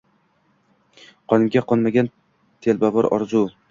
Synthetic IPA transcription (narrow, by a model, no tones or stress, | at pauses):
qʰɒnɪmɡʲaqɒnmaɡʲan | t̪ʰelbavɒɾɒ̰ɾzu